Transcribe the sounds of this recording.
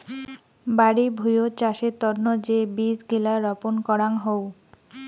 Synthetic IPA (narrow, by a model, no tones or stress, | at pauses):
baɽibʱujot͡ɕaʃet̪ɔɾnod͡ʑebid͡ʑɡilaɾɔponkɔɾaŋɦow